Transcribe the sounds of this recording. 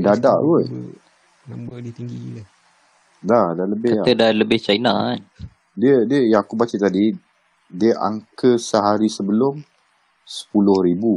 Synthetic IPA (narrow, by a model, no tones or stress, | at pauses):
dadaʔɡoʔ | t̪ɡi | ladaləbɪaədaləbɪht͡ʃainã̰n | diədiəjaakubat͡ʃət̪adi | diəʔa̰ŋkəsəɦaɾisəbəlʊm | sə̥pulʊhɾibu